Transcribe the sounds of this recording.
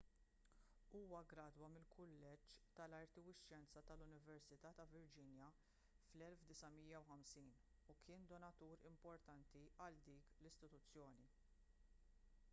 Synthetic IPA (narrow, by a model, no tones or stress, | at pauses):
uːwɐɡɾɐːd̪wɐmɪlkʰʊlːɛt͡ʃt̪ɐlɐɾt̪ɪwɪʃːɛnt͡sɐt̪ɐlʊnɪvɛɾsɪt̪ɐːt̪ɐvɪɾd͡ʒɪnjɐ | flɛlfd̪ɪsɐmijːɐwħɐmsiːn | ukʰɪːnd̪ɔnɐt̪uːɾɪ̰mpɔɾt̪ɐnt̪iʔɐld̪iːklɪst̪ɪt̪ʊt͡sːjɔːni